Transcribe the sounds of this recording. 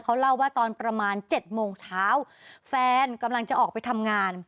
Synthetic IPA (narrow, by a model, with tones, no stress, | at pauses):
kʰa˦˥wla˥˩wːaː˥˩t̪ɔː˧npɾa˧maː˧nt͡ɕe˨˩t̪̚moː˧ŋt͡ɕʰaː˦˥w | fɛː˧nka˧mla˧ŋt͡ɕa˨˩ʔɔː˨˩k̚pa˧jt̪ʰa˧mŋaː˧n